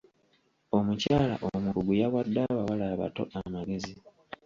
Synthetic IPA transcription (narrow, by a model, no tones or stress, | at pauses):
o̞mucaːla̰ʔoumukuɡujaβadːaβaβalaβa̰to̞̰amaɡe̞zi